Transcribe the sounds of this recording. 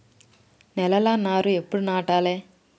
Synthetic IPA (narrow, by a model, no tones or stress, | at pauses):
nɛlɐlaːnaːɾuepːuɽunaːʈaːleː